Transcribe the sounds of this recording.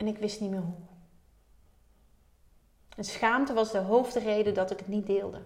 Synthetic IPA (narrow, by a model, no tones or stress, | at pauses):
ɛnɪkʋɪstnimɪːɹɦu | ənsχaːmtəʋɑzdəɦowvdərejdədɑtɪkɦətnit̚dɪːlˠdə̰